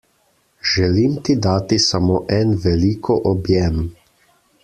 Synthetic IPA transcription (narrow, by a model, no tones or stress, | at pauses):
ʒɛlimt̪id̪aːt̪isamoːʔɛnʋɛliːkʰɔʔɔbjɛm